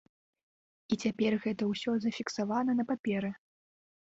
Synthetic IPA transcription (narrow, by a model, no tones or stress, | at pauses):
it͡sʲapʲɛrɣɛt̪ɐwsʲɔzɐfʲiksavanɐnɐpapʲɛɾɨ